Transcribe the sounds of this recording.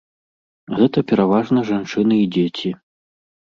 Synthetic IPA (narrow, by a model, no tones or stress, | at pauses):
ɣɛt̪ɐpʲɛɾavaʐnɐʐant͡ʂɨnɨid͡zʲet͡sʲi